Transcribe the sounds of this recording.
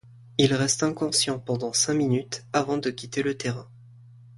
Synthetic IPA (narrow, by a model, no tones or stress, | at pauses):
ilʁɛst̪ɛ̃kɔ̃sjɑ̃pɑ̃d̪ɑ̃sɛ̃minyt̪avɑ̃d̪əkʲit̪elət̪eʁɛ̃